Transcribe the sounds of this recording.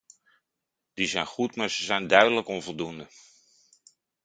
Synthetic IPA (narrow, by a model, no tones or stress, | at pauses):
d̥izɛjnχutmaːɹzəzɛjndœɥdələkɔnvɔlˠdundə